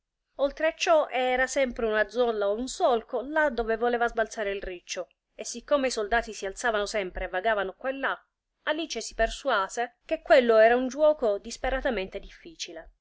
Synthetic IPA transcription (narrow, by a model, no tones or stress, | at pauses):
olt̪ɾeat͡ʃːɔʔɛːɾasɛmpɾeunad̪zːɔlːaounsɔlkolad̪ːoːvevolɛːvazbalt̪saːɾeilrit͡ʃːo | esːikːomeisold̪aːt̪isialt̪saːvanosɛmpɾeːvːaɡaːvanokwalːa | alit͡ʃesi̥persuaːzek̟ekːwelːoɛːɾaund͡ʒuwɔːkod̪ispeɾat̪ament̪ed̪ifːiːt͡ʃile